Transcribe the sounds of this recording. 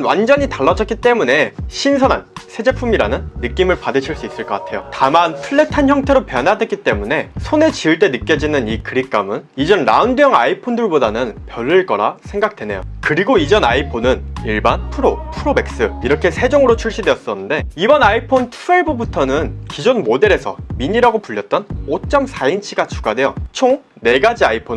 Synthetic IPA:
nwa̰nd͡ʑʌɲitaɭːʌd͡ʑʌt̚k͈it͈e̞mune̞ɕʰinsʰʌna̰nsʰe̞d͡ʑe̞pʰumiɾanɯnːɯk͈imɯɭpadɯɕʰiɭs͈uis͈ɯɭk͈ʌk͈atʰe̞jo̰tamantʰɯɭːe̞tʰançjʌŋtʰe̞ɾopjʌnadwe̞k͈it͈e̞mune̞sʰone̞t͡ɕiɯɭt͈e̞nɯk͈jʌd͡ʑinɯnikɯɾik͈amɯnid͡ʑʌnɾa̰undɯjʌŋaipʰondɯɭbodanɯnpjʌɭːɯɭk͈ʌɾa̰sʰe̞ŋɡak̚tʰwe̞ne̞jo̰kɯɾiɡoid͡ʑʌnaipʰonɯniɭbanpʰuɾopʰuɾome̞k̚s͈ɯiɾʌkʰe̞sʰe̞d͡ʑoŋɯɾot͡ɕʰuɭɕ͈idwe̞jʌs͈ʌnɯnde̞ibʌnaipʰontʰueɭbubutʰʌnɯnkid͡ʑonmode̞ɾe̞sʰʌmiɲiɾaɡopuʎːʌt̚t͈ʌnot͡ɕ͈ʌmsʰaint͡ɕʰiɡat͡ɕu̥ɡadwe̞jʌt͡ɕʰoŋ | ne̞ɡad͡ʑiaipʰo

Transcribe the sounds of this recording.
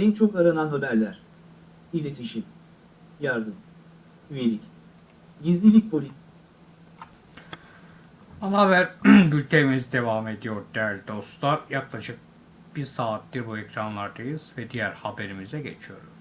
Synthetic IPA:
ɛnt͡ʃʰo̞kaɾananɦabæɾlʲæɾ̥ | ilʲe̞t̪ʰiʃim | jaɾd̪ɯm | yjelʲic | ɟizlʲilʲic̚pʰolʲi | anavæɾbylʲt̪ʰemizd̪e̞vame̞d̪ijo̞ɾd̪ejæɾlʲid̪o̞st̪lˠaɾjaklˠaʃɯk̚ | b̥iɾsaːt̪̚d̪iɾbuɛcɾanlˠaɾd̪ajɯz̥vɛd̪ijæɾhabe̞ɾimizɛɟe̞̰t͡ʃʰijo̞ɾuz̥

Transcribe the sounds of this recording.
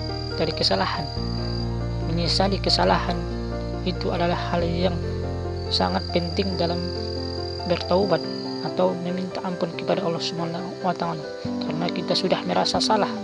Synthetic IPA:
daɾikəsalahan | məɲisalikəsalahan | it̪uadalahːaljaŋ | sa̰ŋat̪̚pɛnt̪ɪŋdalam | bərt̪aubat̪̚ | at̪awməmint̪aʔampʊnkəpadaɔlːɔhsəmana | wat̪aŋan | kʰarnakit̪asudahməɾasasalah

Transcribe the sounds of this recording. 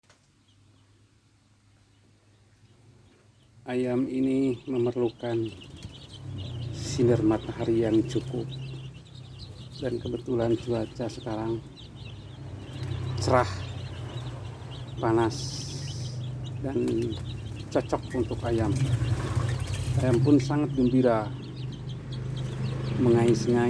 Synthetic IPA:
ʔajaminiməmərlukan | sinərmat̪aɦaɾijaŋt͡ʃukʊp̚ | dankəbət̪uland͡ʒuat͡ʃasəkaɾaŋ | t͡ʃəɾah | panas | dan | t͡ʃɔt͡ʃɔkunt̪ʊkajam | ajampʊnsaŋat̪̚ɡəmbiɾa | məŋaisəŋa

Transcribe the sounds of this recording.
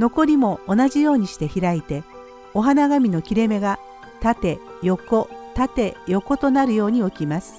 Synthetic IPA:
no̞ko̞ɾʲimo̞ːnaʑijo̞ːɲ̟iɕi̥t̪e̞çiɾait̪e̞ | o̞ɦanaɡamʲino̞kʲiɾe̞me̞ɡa | t̪at̪e̞jo̞ko̞t̪at̪e̞jo̞ko̞t̪o̞naɾɯ̟jo̞ːɲ̟io̞kʲimasɨ̥

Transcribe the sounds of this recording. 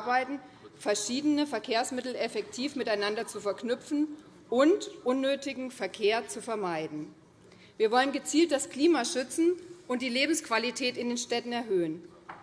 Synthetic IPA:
baɪtn̩ | fɛɐʃiːdənəfɛɐkʰeːɐsmɪtl̩ɛfɛktʰiːfmɪtaɪnandɐt͡sufɛɐknʏpfn̩ | ʔʊntʔʊnːøːtɪɡŋ̩fɛɐkʰeːɐt͡sufɛɐmaɪdn̩ | viːɐvɔlənɡət͡siːlt̚d̥askl̥iːmaʃʏt͡sn̩ʔʊnt̚d̥iːleːbm̩skv̥alitʰɛːtɪndeːnʃtɛtn̩ɛɐɦøːən

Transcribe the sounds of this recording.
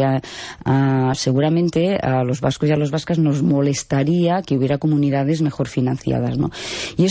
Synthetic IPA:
aaseɣuɾamẽnt̪ealozβaskozjalozβaskaznozmolest̪aɾiakeuβjeɾakomuniðaðezmexoɾfinanθja̰ð̞azno̰ie

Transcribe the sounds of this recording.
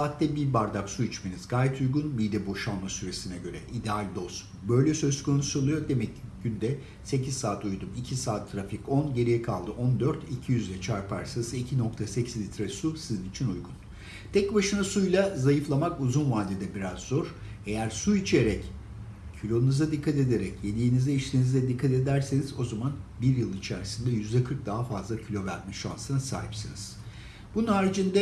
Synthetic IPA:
saːt̪ːɛbibaɾd̪aksuit͡ʃmenizɡaːjɛt̪ʰujɡunmid̪ɛbo̞ʃalˠmasyɾe̞sinɛɟø̞ɾɛʔid̪ɛalʲd̪o̞s | bø̞jlʲɛsø̞zkʰo̞nusolˠujo̞d̪e̞mɛcːɟ̥ynd̪ɛ | se̞cʰizsaːt̪ujd̪umicʰisaːt̪ʰːɾafikonɟe̞ɾijɛkʰalˠd̪ɯʔo̞nd̪øɾt̪ʰicʰijyzlʲɛt͡ʃʰaɾpʰaɾsasɯicʰino̞k̚t̪ʰasecʰizlʲit̪ʰɾasusizinit͡ʃʰinujɡun | t̪ʰɛcbaʃɯnasujlˠazajɯflˠamakuzunvaːd̪ed̪ɛbiɾazːo̞ɾ̥ | e̞jæɾsuit͡ʃʰeɾɛc | cʰylʲo̞unuzad̪ikʰːat̪e̞d̪e̞ɾɛcje̞nijinizd̪ɛiʃt̪ʰiːnizd̪ɛd̪ikʰːat̪e̞d̪æɾse̞nizo̞zamanbiɾjɯlˠit͡ʃʰæɾisind̪ɛjyzd̪ɛkʰɯɾk̚d̪aɦafazlˠacʰilʲo̞væɾmɛʃa̰nsɯnasa̰ːɦipsɯnɯz̥ | b̥ununhaːɾid͡ʒind̪ɛ

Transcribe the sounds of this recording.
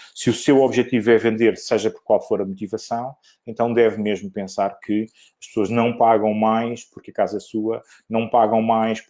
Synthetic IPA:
sɨusewɔβʒɛt̪ivuɛvẽnd̪eɾsɐʒɐpɔɾkwalˠfoɾɐmut̪ivɐsɐ̃w̃ | ẽnt̪ɐ̃w̃d̪ɛvmeʒmupẽsaɾkʰɨ | ɐʃpsoɐʒnɐ̃w̃paɣɐ̃w̃majʃpuɾkɐkazɐɛsuɐ | nɐ̃w̃paɣɐ̃w̃majʃ

